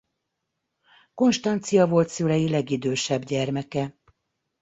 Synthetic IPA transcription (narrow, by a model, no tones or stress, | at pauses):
ko̞nʃt̪ɒnt̪sijɒvo̞lt̪sylɛjilɛɡid̪øːʃɛbɟɛrmɛkɛ